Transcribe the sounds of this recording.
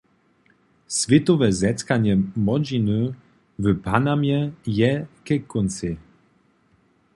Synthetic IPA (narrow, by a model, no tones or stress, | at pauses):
svʲjɛt̪ɔvɛzɛt̪kaɲɛmɔd͡ʑinə | vəpanamjɛjɛkɛkunt͡sɪ